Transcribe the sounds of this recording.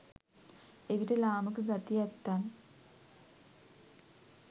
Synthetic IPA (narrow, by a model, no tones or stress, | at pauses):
eʋiʈəlaːməkɨɡɐt̪ijɛt̪ːaːn